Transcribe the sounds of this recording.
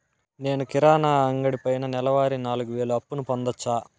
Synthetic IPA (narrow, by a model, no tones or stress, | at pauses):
ne̞ːnukiɾaːnaːɐŋɡɐɽipɐjnɐnɛlɐʋaːɾinaːluɡuʋe̞ːɭuɐpːunupond̪ɐt͡ʃːaː